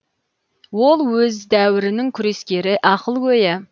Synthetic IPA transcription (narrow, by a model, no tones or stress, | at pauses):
wo̞lˠwɵzd̪æwɪɾɪnɪŋkʲʰʏɾe̞skʲe̞ɾɪʔɑqəlˠkʲʰɵjɪ